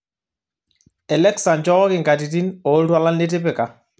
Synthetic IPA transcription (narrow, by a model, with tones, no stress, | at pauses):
ɛ˨lɛ˦ksa˨ɲd͡ʒɔ˦ɔ˦kɪ˨ŋɡa˨ti˨t̬i˦nɔ˨˦ltwa˦la˦ne˦t̬e˦pɛ˨ka˨